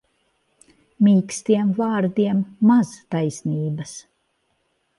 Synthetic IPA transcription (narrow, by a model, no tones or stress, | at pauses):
mʲiːkst̪iɛmvaːɾd̪iɛmːaz̥t̪ajsniːbɐs